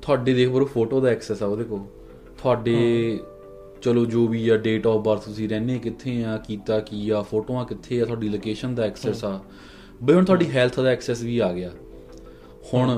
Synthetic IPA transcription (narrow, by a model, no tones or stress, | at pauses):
t̪ʰʊaːɖeːd̪eːkʰbəɾoːpʰoːʈoːd̪aːɛːksɛːsaːoːd̪eːkʰoː | t̪ʰʊaːɖeː | t͡ʃəloːd͡ʒoːʋiːjaːɖeːʈɔːpʰbaːɾt̪ʊsĩːɾɛːneːkɪt̪ʰːeːãːkiːt̪aːkiːaːpʰoːʈoːãːkɪt̪ʰːeːaːt̪ʰʊaːɖiːloːkeːʃənd̪aːɛːksɛːsaː | bəiɦʊɳt̪ʰʊaːɖiːɦɛːlt̪ʰd̪aːɛːksɛːsʋiːaːɡɪaː | hʊɳ